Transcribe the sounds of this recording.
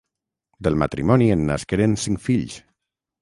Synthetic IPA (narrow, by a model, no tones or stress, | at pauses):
d̪əlˠmat̪ɾimɔnienːaskeɾensiŋkfiʎs